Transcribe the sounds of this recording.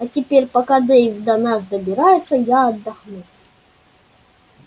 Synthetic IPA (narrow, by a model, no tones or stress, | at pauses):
ɐtʲɪpʲeɾʲpɐkad̪ɨjvʲd̪ɐnasd̪əbʲɪɾajɪt̪sːəjaɐd̪ːɐxnu